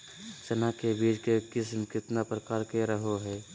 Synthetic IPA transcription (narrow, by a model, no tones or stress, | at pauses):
sɐnakebiːd͡ʒkekɪsmkɪt̪napɾəkaːɾkeɾəɦoɦɛː